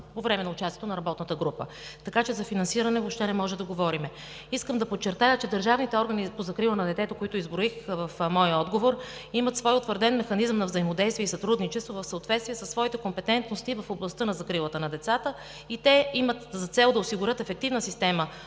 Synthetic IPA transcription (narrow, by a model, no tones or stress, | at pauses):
povɾɛmɛnɐʊt͡ʃasijɛt̪onɐɾɐbɔt̪nət̪əɡɾupə̰t̪ɐkat͡ʃɛzɐfinɐnsiɾɐnɛvopʃt̪ɛnɛmɔʒɛd̪ɐɡovɔɾimɛ | iskəmd̪ɐpot̚t͡ʃːɛɾt̪ajət͡ʃɛd̪əɾʒavnit̪ɛɔɾɡənipozɐkɾilˠənɐd̪ɛt̪ɛt̪okoit̪ʊizbɾoixvɐfmɔjəɔd̪ɡovoɾimət̪svɔjʊt̪vəɾd̪ɛnmɛxɐnizəmnɐvzɐimod̪ɛjst̪viɛisɐt̪ɾud̪nit͡ʃɛst̪vovɐfsəot̪vɛt̪st̪viɛsəsːvɔit̪ɛkompɛt̪ɛnt̪nost̪ivɐfoblˠɐst̪ɤnɐzɐkɾilˠət̪ənɐd̪ɛt̪sat̪ə | it̪ɛimət̪zɐt̪sɛlˠd̪ɐosiɡʊɾʲɤt̪ɛfɛk̚t̪ivnəsist̪ɛmə